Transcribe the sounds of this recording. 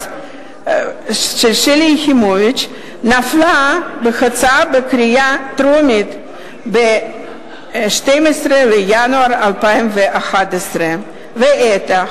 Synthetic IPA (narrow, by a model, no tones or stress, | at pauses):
ʃelʃeliximovit͡ʃ | naflabexat͡sabekɾijat̪ɾomit̪ | be | ʃt̪ejmesɾelejanuaɾalpaimveʔaxat̪esɾe | veʔet̪a